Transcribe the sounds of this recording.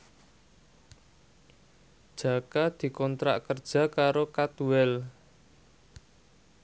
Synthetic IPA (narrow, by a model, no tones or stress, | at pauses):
d̥ʒ̥a̤kad̪̥i̤kɔnt̪ɾa̰ʔkərd̥ʒ̥ä̤kaɾokat̪uɛl